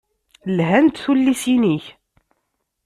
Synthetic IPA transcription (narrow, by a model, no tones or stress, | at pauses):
lɦænt̪θulːisiniç